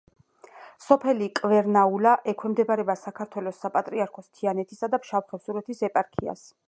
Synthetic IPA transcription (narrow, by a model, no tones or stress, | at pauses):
sɔpʰɛlikʼvɛɾnaulaʔɛkʰwɛmd̪ɛbaɾɛbasakʰaɾt̪ʰwɛlɔsːapʼat̪ʼɾiaɾkʰɔst̪ʰianɛt̪ʰisad̪apʃafχɛfsuɾɛt̪ʰisɛpʼaɾkʰia̰s